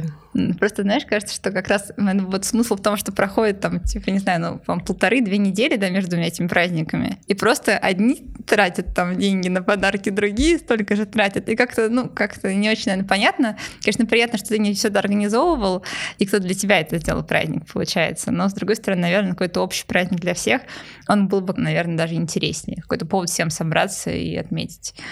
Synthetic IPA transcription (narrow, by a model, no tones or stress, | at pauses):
pɾost̪əznaɪʂkaʐɨt̪səʂt̪o̞kɐkɾasɛt̪vot̪smɨsl̩ˠft̪o̞mʂt̪o̞pɾɐxo̞dʲɪt̪ːamtʲʰipənʲɪznajʊnṵampəlˠt̪ɐɾɨd̪vʲenʲɪdʲelʲɪd̪amʲeʐd̪ʊnʲaetʲɪmʲɪpɾʔazʲnʲɪkəmʲɪ̰ipɾo̞st̪əʔɐdʲnʲit̪ɾatʲət̪ːamdʲenʲɡʲɪnəpɐd̪arkʲɪd̪ɾʊɡʲijəst̪o̞lʲkəʐɨt̪ɾatʲət̪ikakt̪ənukakt̪ənʲɪo̞t͡ɕɪnʲɐeɾnəpɐnʲat̪nəkɐnʲeʂnəpɾɪjat̪nəʂt̪ot̪ɨnʲɪfsʲoɛt̪əɐrɡənʲɪzo̞vəvəlˠikt̪od̪lʲətʲɪbʲaɛt̪əzʲdʲel̰ˠlˠpɾa̰zʲnʲɪ̰k̚pəlˠʊ̰t͡ɕæjɪ̰t̪səno̞zd̪ɾʊɡo̞jst̪əɾɐnɨnɐvʲe̞rnəkɐko̞jt̪əopɕɪ̥jpɾazʲnʲɪɡ̚d̪lʲɐfsʲe̞x | o̞nbɨlˠbɨnɐvʲernəd̪aʐɨɪnʲtʲɪɾʲesʲnʲɪ̰jkɐ̥ko̞jt̪əpo̞vət̪fsʲemsɐbɾa̰t̪sə̰ḭɐ̰t̪mʲḛtʲɪ̥tʲ